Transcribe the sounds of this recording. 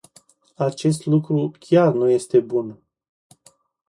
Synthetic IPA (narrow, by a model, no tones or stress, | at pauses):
at͡ʃe̞st̪lukɾukʲarnuje̞st̪e̞bun